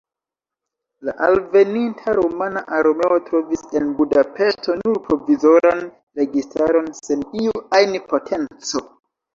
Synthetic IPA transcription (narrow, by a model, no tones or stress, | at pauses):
laʔalve̞nintʰaɾomanaʔaɾome̞o̞tɾo̞vise̞nbudape̞ʃto̞nuɾpɾo̞vizo̞ɾan | ɾe̞ɡistaɾo̞nse̞niuajnipo̞tʰe̞nt͡so̞